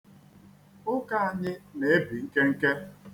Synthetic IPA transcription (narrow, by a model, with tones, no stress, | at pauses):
ʊ˦ka˦a˦ɲɪ˦ne˨e˦bi˨ŋ̩˦ke˦ŋ̩˦ke˦